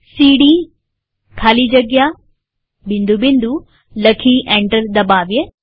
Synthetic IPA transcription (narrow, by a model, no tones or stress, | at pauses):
siːɖi | kʰaːlid͡ʒɐɡja | bind̪ubind̪u | lɐkʰiʔeɳʈɐɾd̪ɐbaːʋje